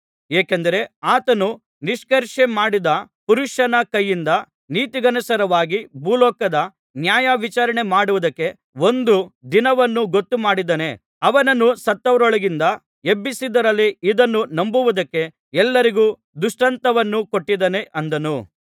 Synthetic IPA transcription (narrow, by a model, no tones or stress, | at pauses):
eːkend̪ɐɾe̞aːt̪ɐnu | niʂkɐɾʂemaːɽid̪ɐpuɾuʂɐnɐkɐjːind̪ɐ | niːt̪iɡɐnɐsɐɾɐʋaːɡibʱuːlɔːkɐd̪ɐ | njaːjɐʋit͡ʃaːɾɐɳe̞maːɽuʋud̪ɐkːe̞ | o̞nd̪ud̪inɐʋɐnːuɡo̞t̪ːumaːɽid̪ɐne̞ | ɐʋɐnɐnːusɐt̪ːɐʋɐɾɔɭɐɡind̪ɐ | ebːisid̪ɐɾɐlːiid̪ɐnːunɐmbuʋud̪ɐkːe̞ | ɛlːɐɾiɡuː | d̪uʂʈɐnt̪ɐʋɐnːukoʈːid̪ɐne̞ʔɐnd̪ɐnu